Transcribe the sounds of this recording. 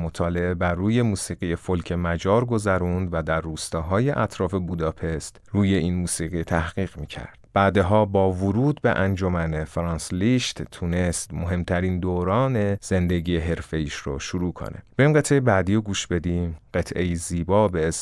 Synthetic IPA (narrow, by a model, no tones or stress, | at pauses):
mot̪ʰɒːle̞ʔe̞bæɾːuːje̞muːsiːɣijefolcʰe̞mæd͡ʒɒːɾɡo̞zæɾund̪væd̪æɾːuːst̪ɒːɦɒːje̞ʔæt̪ʰɾɒːfe̞buːd̪ɒːpʰe̞st̪ruːje̞iːnmuːsiːɣit̪ʰæhɢiːɣmiːcʰæ̰ɾd̪̥b̥æːd̪eɦɒːbɒːvuɾuːd̪̚be̞̰ʔænd͡ʒomæne̞fɾɒːnsliʃt̪t̪ʰune̞st̪moɦe̞mt̪ʰæɾiːnd̪oːɾɒːne̞z̥e̞nd̪e̞ɟijeɦe̞ɾfe̞jiːʃro̰ʃuɾuːkʰo̰nʔḛb̥eɾimɢe̞t̪ʰʔe̞jebæːd̪iːoɡuːʃbe̞d̪imɢ̥e̞t̪ʰʔe̞jiziːbɒːbes